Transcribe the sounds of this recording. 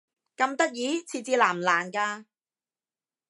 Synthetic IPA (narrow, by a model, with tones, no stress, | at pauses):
kɐ˧mt̪ɐ˥k̚jiː˨˥˦t͡sʰiː˧t͡siː˧laː˨˩mlaː˨˩nkaː˧